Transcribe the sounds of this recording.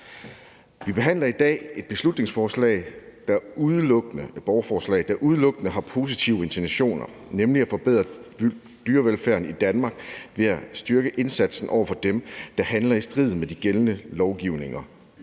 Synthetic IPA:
ʋib̥e̝ɦæn̰lɐid̥ɛ̰ːe̝d̥̚b̥e̝slud̥ne̝ŋsfɒːslɛ̰ɪd̥ɑuðˠəlɔ̽ɡ̥ənəb̥ɒʊɐfɒːslɛ̰ɪd̥ɑʔuð̞ˠlɔ̽ɡ̥ənəɦɑ̈pʰo̝s̬it͡sʰiʊe̝nt͡sʰinæɕo̝̰ːnɐ | nemliæfɒ̽b̥eð̞̰ˠʁɐ | d̥yːɐʋelfæɐ̰nid̥ænmɑ̈ːɡ̥ʋe̝æsd̥yɐɡ̥əʔe̝nsæd̥sn̩ʔɒ̰ʊɐfɒ̽d̥emd̥ɑ̈hænlɐisd̥ʁið̰̩ˠmed̥iɡ̥elənəlɒʊɡ̥iʊne̝ŋɐ

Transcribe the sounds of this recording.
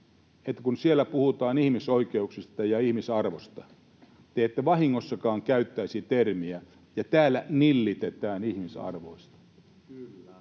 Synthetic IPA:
et̪ːæ̥kunsielːˑæpuhut̪ɑːnihmisoikeuksist̪ɑjɑihmisɑrʋost̪ɑ | t̪eet̪ːeʋɑhiŋːosːɑkɑːŋkæyt̪ːæisit̪ermiæ | jɑt̪æːlːænilːit̪et̪æːnihmisɑ̰rʋo̰ist̪ɑ̥

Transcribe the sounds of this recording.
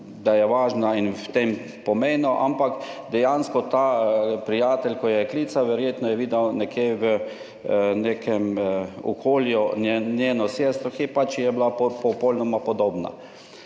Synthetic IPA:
d̪ajɛʋaːʒnainwt̪em | pɔmeːnuʔa̰mpakd̪ɛjanskɔt̪aːpɾijaːt̪ɛlʲkɔjɛkliːt̪saʋɛɾjeːt̪nɔjɛʋiːd̪awnɛkjeʋə | neːkʰɛmɔ̰kʰoːljunjeːnɔseːst̪ɾɔxipat͡ʃjɛblapɔpɔlnɔmapɔd̪oːbna̰

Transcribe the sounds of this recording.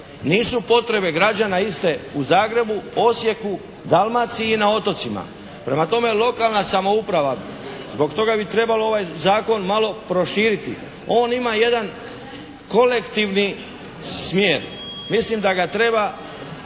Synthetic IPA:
niːsupo̞t̪ɾe̞be̞ɡɾad͡ʑanaist̪e̞uzaːɡɾe̞buo̞sje̞ku | d̪almat̪siːnao̞t̪o̞t̪sima̰ | pɾe̞mat̪o̞me̞lo̞kalˠnasamo̞upɾaʋa | zbo̞kt̪o̞ɡabit̪ɾe̞baloo̞ʋajzaːko̞nmalo̞pɾo̞ʃiːɾit̪ḭ | o̞ːnimaje̞d̪an | ko̞le̞kt̪iʋni | smjeːɾmislimd̪aɡat̪ɾe̞ba

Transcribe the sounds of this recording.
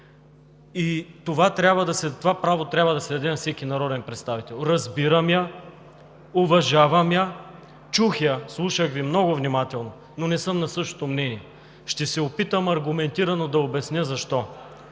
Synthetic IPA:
it̪ovat̪ɾʲabvəd̪ɐsɛt̪ovapɾavot̪ɾʲabvɐd̪ɐsɛd̪ɐd̪ɛnɐfsɛkinɐɾɔd̪ɛnpɾɛt̪st̪avit̪ɛlˠɾɐzbiɾəmjɐ | ovɐʒavɐmjə | t͡ʃuxjəslˠuʃəɣvimnɔɡʊvnimat̪ɛlˠno | nonɛsɤmnɐsɤʃt̪o̥t̪omnɛniɛ | ʃt̪ɛsɛopit̪əmɐɾɡʊmɛnt̪iɾɐnod̪ɐobɛsnʲəzɐʃt̪ɔ

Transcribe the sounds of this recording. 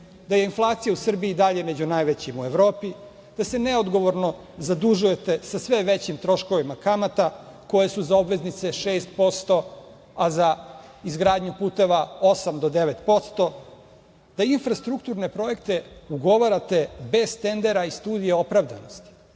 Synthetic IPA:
d̪aje̞inflˠaːt̪sijausr̩biːd̪aʎe̞me̞d͡ʑunajʋet͡ɕimuevɾo̞ːpi | d̪̥ase̞neod̪ɡo̞ʋo̞ɾno̞ | zad̪uʒuje̞t̪e̞sasʋeʋet͡ɕimt̪ɾo̞ʃko̞ʋimakamat̪ako̞je̞suzao̞bʋe̞znit̪se̞ʃeːst̪̚po̞st̪o̞ | azaizɡɾaːd̪ɲupuːt̪e̞ʋao̞samd̪o̞d̪eʋet̪po̞t̪st̪o̞ | d̪̥ainfɾast̪ɾukt̪uɾne̞pɾo̞je̞kt̪e̞uɡo̞ʋaɾat̪e̞be̞zt̪e̞nd̪e̞ɾaist̪uːd̪ijeo̞pɾaʋd̪a̰nost̪i̥

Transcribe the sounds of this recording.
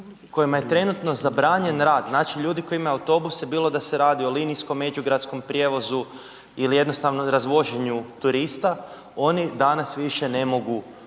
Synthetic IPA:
ko̞jimaje̞t̪ɾe̞nut̪no̞zabɾaːɲe̞nɾaːd̪znaːt͡ʃiʎuːd̪iko̞imajeawt̪o̞busjebiːlˠo̞d̪ase̞ɾaːd̪io̞linisko̞mːe̞d͡ʒuɡɾat̪sko̞mpɾje̞ʋo̞zu | ilijed̪no̞st̪aʋnoɾazʋo̞ʒeɲut̪uɾist̪a | o̞nid̪anasʋiʃe̞ne̞mo̞ɡu

